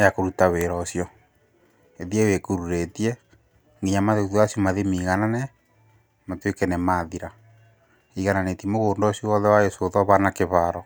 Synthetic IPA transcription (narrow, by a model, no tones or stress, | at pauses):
jakoɾutaweɾɔsjɔ | eðiɛwekuɾuɾetiɛ | ŋɡiɲamaðeuðwasjɔmaðemiɣananɛ | matwekɛnɛmaðiɾa | iɣananetimoɣoːndɔsjɔwɔðɛwajosoðɔβanakeβaɾɔ